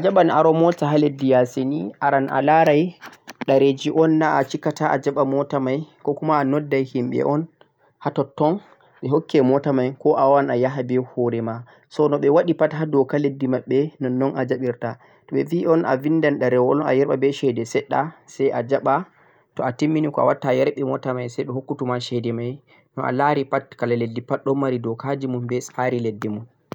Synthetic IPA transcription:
ʔad͡ʒaɓanaɾɔmɔtaɦaledːijaseniʔaɾanʔa̰laɾajɗaɾed͡ʒiʔɔnːaʔat͡ʃikataʔad͡ʒaɓamɔtamajkɔkumaːnɔdːajhimɓɛ̰ʔɔn | hatɔtːɔn | ɓɛɦokʰːɛmɔtamajkɔʔawanajaɦabɛhoɾɛma | sɔnɔɓɛwaɗipatɦadɔkaledːimaɓːɛnɔnːɔnʔad͡ʒaɓiɾta | tɔɓɛviʔɔnʔa̰vindanɗaɾɛwɔla̰jɛɾɓabɛʃɛdɛsɛɗːasajʔad͡ʒaɓa | tɔatimːinikɔa̰watːajɛɾɓɛmɔtamajsɛjɗɔhokːutumaʃɛdɛmaj | nɔʔa̰laɾipatkalaledːipaɗɔmːaɾidɔkad͡ʒimunbɛsaɾiledːimun

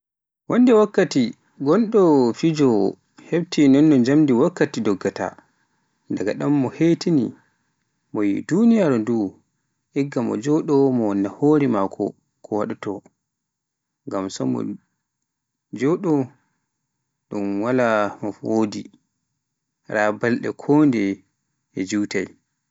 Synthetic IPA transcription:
wɔndɛwakːati | ɡɔnɗɔfid͡ʒɔ | hebtinɔnːɔd͡ʒamdiwakːatidɔɡːata̰ | ndaɡaɗamːɔhetinḭ | mɔjḭdunijaɾdu | ʔɛɡːamɔ̰d͡ʒɔɗɔmɔwɔnːahoːɾimakʰɔ̰ | kʰɔwaɗutɔ | ŋɡamsɔmɔ̰ | d͡ʒɔɗɔ | ɗumwalamɔwodi | ɾabalɗɛ̰kʰɔndɛ | ɛd͡ʒiwta̰j

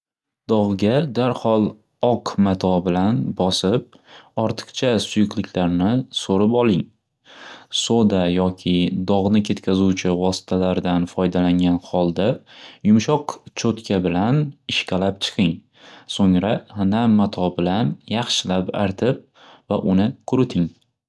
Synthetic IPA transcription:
d̪̥ɒʁɡʲad̪aɾhɒlˠ | ɒqʰmat̪ʰɒbɪlanbɒsɪp̚ | ɒɾt̪ʰɨ̥qt͡ʃʰasʊjʊqlɪkʲʰlaɾnɪsoɾɪpɒlˠɪŋ | sod̪ajɒkʲʰɪd̪ɒʁnɪkʲʰe̞t̪kʲʰazuwt͡ʃʰɪvɒsɪ̥t̪ʰalaɾd̪anfɒjd̪alaŋɡʲanhɒlˠd̪ajʊmʃɒqt͡ʃʰot̪kʲʰabɪlanɪʃkʲalap̚t͡ʃʰɨ̥qʰɪŋ | soŋɾahanamːat̪ʰɒbɪlanjɑχʃɪlapa̰ɾt̪ʰɪp̚ | vaʔʊnɪkʰʊɾɪt̪ʰɪŋ

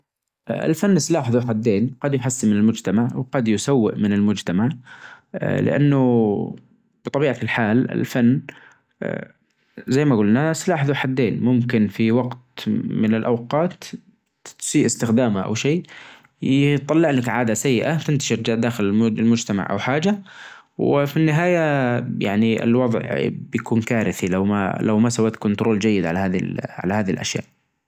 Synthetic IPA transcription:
ʔɪ̰lfanːɪslaːħðuħad̪ːeːnqɑd̪jħasːmɪnɪlmʊd͡ʒt̪amaʕwqɑd̪jʊsawːɪ̰ʔmɪnɪlmʊd͡ʒt̪amaʕ | lɪ̰ʔa̰nːʊ | b̥ɨt̪ˤɑbiːʕalħaːlɪ̰lfanː | zajːmaɡʊlnaslaːħðuwħad̪ːeːnmʊmkɪnfiwaɡt̪mɪnɪlʔa̰wqɑːt̪ | siːʔɪst̪ɪxd̪aːmaʔa̰wʃeː | t̪ˤːɑlːɪʕlakʕaːd̪asajːɪʔat̪ɪnt̪ḁʃɪɾd͡ʒaːʕd̪aːxɪlmʊlmʊd͡ʒt̪ama̰ʕʔa̰wħaːd͡ʒa | wɪ̰finːɪɦaːjaja̰ʕniɪ̰lwɑðˤʕbjakuːnkaːɾɪθilawma̰lʔa̰wmasawːaːt̪kʊnt̪ʊɾʔoːld͡ʒajːɪd̪ʕalahaːðḭlʕʕa̰lahaːðilʔa̰ʃja̰ːʔ

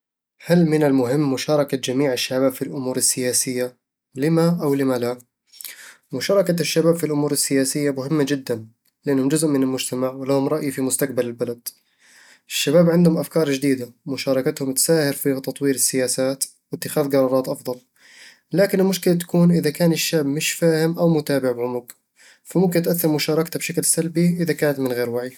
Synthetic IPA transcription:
halmɪnɪlmʊɦɪmːʊʃɑːɾˤɑkad͡ʒamiːʕɪʃːabaːbfilʔʊmuːɾɪsːɪjaːsɪjːa | lɪmaʔawlɪmala | mʊʃɑːɾˤɑkaʃːabaːbfilʔʊmuːɾɪsːɪjaːsɪjːamʊhɪmːad͡ʒɪd̪ːan | lɪʔanːhʊmd͡ʒʊzʔmɪnɪlmʊd͡ʒt̪amaʕwɪlahʊmɾˤɑʔjifimʊst̪aq̚balɪlbalad̪ | ʔɪʃːabaːbʕɪnd̪hʊmʔafkɑːɾˤd͡ʒɪd̪iːd̪amʊʃɑːɾˤɑkat̪hʊmt̪saːhɪɾfit̪ɑt̪ˤwiːɾɪsːɪjaːsaːt̪ | wɪt̪ːɪxaːðɡɑɾˤɑːɾˤɑːt̪ʔɑfðˤɑl | laːkɪnɪlmʊʃkɪlat̪ḁkuːnʔɪðakaːnɪʃːaːbmɪʃfaːhɪmʔawmʊt̪aːbɪʕbʕʊmʊɡ | famʊmkɪnt̪ʔaθːɑɾˤmʊʃɑːɾˤɑkt̪abʃaklsalbiʔɪðakaːnat̪mɪnɣeːɾwaʕi

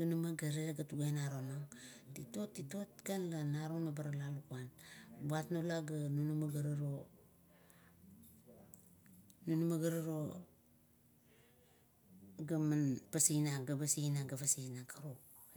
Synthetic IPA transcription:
tunumaɡaɾeɡatuɡenaɾonaŋtitotːitotkanlanaɾunabaɾalalukuanbuatnolaɡanunumaɡaɾaɾo | nunumaɡaɾaɾo | ɡamanpasinaɡabasinaɡaβasinakaɾo

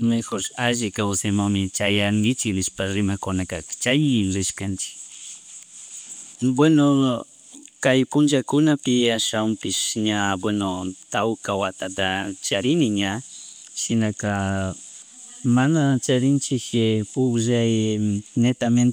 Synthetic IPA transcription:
mexoɾaʒɪkawsemaŋmɪt͡ʃajaŋɡɪt͡ʃɪknɪʃpaɾɪmakʊnakḁt͡ʃajɾɪʃkant͡ʃɪ̥k | bweno | kajpʊnt͡ʃakʊnapɪaʃawmpɪʃɲabwenot̪awkawat̪at̪at͡ʃaɾɪnɪɲa | ʃɪnaka | manat͡ʃaɾɪnt͡ʃɪkpʊʒajnet̪amen

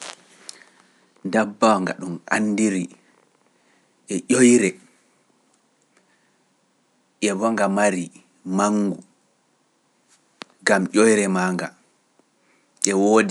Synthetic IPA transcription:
dabːawŋɡa̰ɗumanːdiɾi | ʔɛʔojɾɛ | ʔɛβɔŋɡamaɾi | maŋːɡu | ɡamʔʲojɾɛmaːŋɡa | ʔɛwoːdi

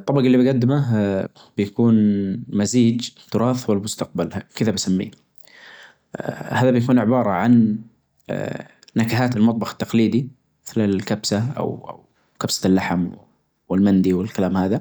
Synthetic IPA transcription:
t̪ˤːɑbɑqɑlːibaɡad̪ːɪmaɦ | b̥ɪjakuːnmaziːd͡ʒt̪ːʊɾˤɑːθwɪlmʊst̪aq̚balkɪðabasamːḭː | haːðabjakuːnʕɪbɑːɾˤɑʕan | akaɦaːt̪ɪlmɑt̪ˤbɑxt̪ːɑqliːd̪i | mɪθlɪlkabsaʔa̰wa̰w | kabsḁlːaħam | wɪlmand̪iwɪlkalaːmhaːða

